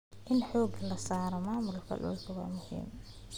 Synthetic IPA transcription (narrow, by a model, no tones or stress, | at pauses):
ʔɪnħɔːɡɐlɐsaːɾɐmaːmʊlkʰɐ̰lɔ̰ːlk̪ʰɐwɑ̰ːmʊhḭːm